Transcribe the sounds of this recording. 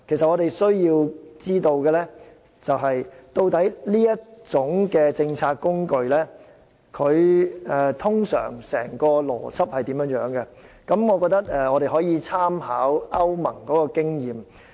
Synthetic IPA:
kʰs̬ɐ˨t̚ɔ˨˧ɾe˨jsɵ˥ɥjiː˧wt͡siː˥t̪o˧wkɛː˧lɛː˥ | t͡sɐ˨wɦɐ˨jt̪o˧wt̪ɐ˨˥jliː˥jɐ˥t̚t͡ʃt͡sʊ˨˥ŋkɛː˧t͡sɪ˧ŋt͡sʰaː˧k̚kːʊ˥ŋkɵ˧ɥlɛː˥ | kʰɵ˨˧ɥɛ˨˧t̪ʰʊ˥ŋsœ̰ː˨˩ŋsɛ̰ː˨˩ŋkɔː˧lɔ̰ː˨˩t͡sʰɐ˥p̚hɐ˨jt̪iː˨˥mjœː˨˧˥ŋjœː˨˥ŋkɛ˧ | kɐ˨˥mŋɔː˨˧kɔː˧k̚t̪ɐ˥k̚ɛː˧ŋɔː˨˧ɾe˨jɦɔː˨˥jiː˧t͡sʰaː˥mhaː˨˥wɐ˥wmɐ˨˩ŋkɔː˨˥kɔː˧kɪ˥ŋjiː˨m

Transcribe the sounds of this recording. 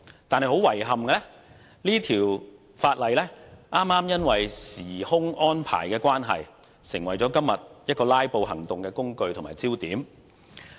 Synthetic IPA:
t̪aː˨nhɐ˨jho˨˥wɐ˨˩jɦɐ˨mkɛ˧lɛː˥ | liː˥t̪ʰiː˨˩w | faː˧t̚lɐ˨jlɛː˥ʔaː˥maː˥mjɐ˥nwɐ˨˩jsiː˨˩hʊ˥ŋɔː˥npʰa̰ː˨˩jkɛː˧kwaː˥nɦɐ̰˨j | sɪ˨˩ŋwɐ˨jt͡sɔː˨˥kɐ˥mːjɐ˨t̚jɐ˥t̚kɔː˧laː˥jpo˧whɐ̰˨˩ŋt̪ʊ˨ŋkɛː˧kʊ˥ŋkɵ˧ɥt̪ʰʊ˨˩maː˨˩jt͡siː˥wt̪iː˨˥m

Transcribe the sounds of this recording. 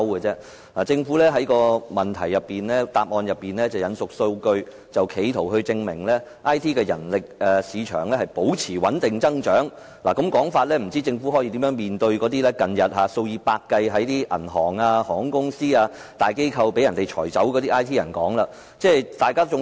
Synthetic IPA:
wkɛ˧t͡sɛː˥ | laː˨˩t͡sɪ˧ŋfu˨˥lɛː˥ɦɐ˨˥jkɔː˧mɐ˨nt̪ʰɐ̰˨˩jːɐ˨pːiː˨nlɛː˥t̪aː˧p̚ʔɔː˧njɐ˨pːiː˨nlɛː˥t͡sɐ˨wjɐ˨˥nsʊ˨k̚so˧wkɵ˧ɥ | t͡sɐ˨wkʰe˨˧jt̪ʰo˨˩wɦɵ˧ɥt͡sɪ˧ŋmɪ̰˨˩ŋlɛː˥ʔaː˥jt̪ʰiː˥kɛː˧jɐ̰˨˩nlɪ˨k̚ɛː˨˧siː˨˧t͡ʃʰœ̰ː˨˩ŋlɛː˥hɐ˨jpo˨˥wt͡sʰiː˨˩wɐ˨˥nt̪ɪ˨ŋt͡sɐ˥ŋt͡ʃœː˨˥ŋ | laː˨˩kɐ˨˥mkɔː˨˥ŋfaː˧t̚lɛː˥m̩˨˩t͡siː˥t͡sɪ˧ŋfu˨˥ɦɔ˨˥jiː˧t̪iː˨˥mjœː˨˥ŋmiː˨nt̪ɵ˧ɥkɔː˨˥t̪iː˥lɛː˥kɐ˨njɐ˨t̚ɦaː˨˧˥so˧wjiː˧paː˧kːɐ˧jɦɐ˨˥jt̪iː˥ʔɐ̰˨˩nɦɔ̰ː˨˩ŋaː˧hɔː˨˩ŋkʊ˥ŋsiː˥aː˧ | t̪aː˨jke˥jkʰɐ˧wpe˨˥jɐ˨nt̪e˨jt͡ʃʰɔː˨˩jt͡sɐ˨˥wkɔ˨˧t̪iː˥ʔaː˥jt̪ʰiː˥jɐ̰˨˩nkɔː˨˥ŋlaː˧ | t͡sɛː˥˩t̪aː˨jkaː˥t͡sʊ˨˧ŋ

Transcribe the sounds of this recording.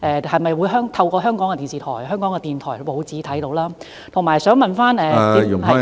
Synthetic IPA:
ʔɛː˨˧hɐ˨jmɐ˨jwuː˨˧jɦœː˥ŋt̪ʰɐ˧wkɔː˧ɦœː˥ŋkɔː˨˥ŋkɛ˧t̪iː˨˩nsiː˨t̪ʰɔː˨˩jhœː˥ŋkɔː˨˥ŋkɛː˧t̪iː˨nt̪ʰɔː˨˩jpo˨˧wt͡siː˨˥t̪ʰɐ˨˥jt̪o˨˧˥wlaː˥ | t̪ʰʊ˨˩ŋmaː˨˩jsœː˨˥ŋmɐ˨nfaː˥nɛː˧y˨˩˥

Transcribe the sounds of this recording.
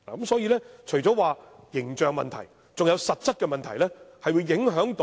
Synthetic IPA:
laː˨˩kɐ˨˦msɔː˨˥jiː˧lɛː˥t͡ʃʰɵ˨˩jt͡sɔː˨˥waː˨˧ | jɪ˨˩ŋt͡ʃœː˨ŋmɐ̰˨nt̪ʰɐ̰˨˩j | t͡sʊ˨ŋjɐ˨˧wsɐ˨t̚t͡sɐ˥t̚kɛː˧mɐ˨nt̪ʰɐ˨˩jlɛː˥hɐ˨jwuː˨˧jjɪ˨˥ŋɦœː˨˥ŋt̪o˨˦

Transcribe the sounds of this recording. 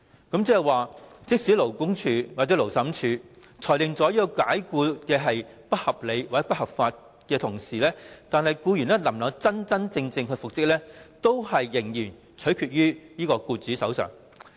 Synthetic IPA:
kɐ˨˥mt͡sɛː˧˥jɐ˨˩waː˨t͡sɪ˥k̚siː˨˥lo˨˩wkʊ˥ŋt͡ʃʰyː˧wa˨t͡sɛː˨˥lo˨˩wsɐ˨˥mt͡ʃʰyː˨˧ | t͡sʰɔː˨˩jlɪ˨ŋt͡sɔː˨˥ji˧ɔ˧kaː˨˥jkuː˧kɛː˧ɦɐ˨j | pɐ˥t̚hɐ˨p̚le˨˧jwaː˨ɛ˧˥p̚hɐ˨p̚faː˧t̚ | kɛː˧t̪ʰʊ˨˩ŋsiː˨lɛː˥t̪aː˨˧nhɐ˨jkuː˧jyː˨˩nɛː˥lɐ˨˩mlɐ˨˧wt͡sɐ˥nt͡sɐ˥nt͡sɪ˧ŋt͡sɪ˧ŋkɵ˧fʊ˨k̚t͡sɪ˥k̚lɛː˥t̪o˥whɐ˨jːɪ˨˩ŋjyː˨˩n | t͡sʰɵ˨˥ɥkʰyː˧t̚ɥyː˥jiː˥kɔː˧kuː˧t͡syː˨˥sɐ˨˥wsœ̰ː˨˩ŋ

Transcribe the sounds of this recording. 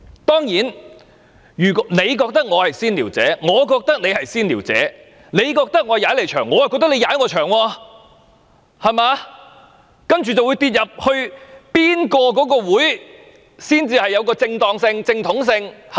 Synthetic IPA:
t̪ɔː˥ŋjiː˨˥n | jyː˨˩kne˨˧jkɔː˧k̚t̪ɐ˥k̚ŋɔː˨˧hɐ˨jsiː˥nliː˨˩wt͡sɛ̰ː˨˥ŋɔː˨˧k̬ɔː˧k̚t̪ɐ˥k̚ne˨˧jhɐ˨jsiː˥nliː˨˩wt͡sɛ̰ː˨˥ | ne˨˧jkɔː˧k̚t̪ɐ˥k̚ŋɔː˨˧jaː˨˥le˨˩jt͡ʃʰœː˨˩ŋːɔː˨˧jkɔː˧k̚t̪ɐ˥le˨˧jaː˨˥jŋɔː˨˧t͡ʃʰœː˨˩ŋwɔː˧ | hɐ˨jmaː˨˧ | kɐ˥nt͡ʃyː˨t͡sɐ˨wu˨˧jt̪iː˧t̚jɐ˨p̚hɵ˧ɥpiː˥nkɔː˧k̬ɔː˨˥kɔː˧wuː˨˥j | siː˥nt͡siː˧hɐ˨jːɐ˨˧wkɔː˧t͡sɪ˧ŋt̪ɔː˨˧ŋsɪ˧ŋt͡sɪ˧ŋt̪ʰʊ˨˥ŋs̬ɪ˧ŋh

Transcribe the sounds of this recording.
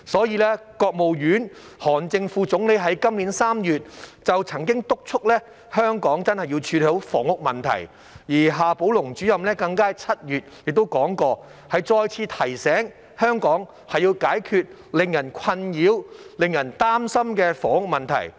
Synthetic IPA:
sɔː˨˥jiː˧lɛː˥kɔː˧k̚mo˨wjyː˨˥n | hɔː˨˩nt͡sɪ˧ŋfuː˧t͡sʊ˨˥ŋle˨˥jɦɐ˨˥jkɐ˥mliː˨˥nsaː˥mjyː˨t̚t͡sɐ˨wt͡sʰɐ˨˩ŋkɪ˥ŋt̪ʊ˥k̚t͡ʃʰʊ˥k̚lɛː˥ | hœː˥ŋkɔː˨˥ŋt͡sɐ˥nhɐ˨jiː˧wt͡ʃʰyː˧le˨˧o˨˥wfɔ̰ː˨˩ŋʊ˥k̚mɐ˨˩nt̪ʰɐ̰˨˩j | jiː˨˩ɦaː˨˧po˨˥wlʊ˨˩ŋt͡ʃyː˨˥jɐ˨mlɛː˥kɐ˧ŋkaː˥t͡sʰɐ˥t̚jyː˨t̚jɪ˨k̚t̪o˥wkɔː˨˥ŋkɔː˧hɐ˨jt͡sɔː˧jt͡sʰiː˧t̪ʰɐ˨˩jsɛː˨˥ŋ | hœː˥ŋkɔː˨˥ŋ | hɐ˨jiː˧wkaː˨˥jkʰyː˧t̚ | lɪ˨ŋjɐ˨˩nkʷʰɐ˧njiː˨˥wlɪ˨ŋjɐ˨˩nt̪aː˥msɐ˥mkɛː˧fɔː˨˩ŋʊ˥k̚mɐ˨nt̪ʰɐ̰˨˩j

